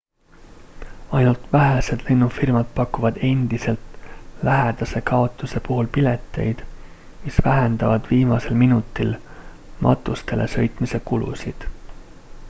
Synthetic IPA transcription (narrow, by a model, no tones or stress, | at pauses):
ɑjnult̪væɦese̞d̪̥le̞nːufirmɑd̪̥̚pɑkːuvɑd̪̥e̞nʲd̪̥ise̞lt̪læɦed̪̥ɑse̞kɑo̞t̪ːˑuse̞puɦulpile̞t̪ːˑe̞̰jd̪̥ | misvæɦend̪̥ɑvɑd̪viːmɑse̞lminut̪ːˑil | mʔɑ̰t̪ˑːust̪e̞lʔe̞̰sɤ̞jt̪ˑmise̞kulṵsid̪̥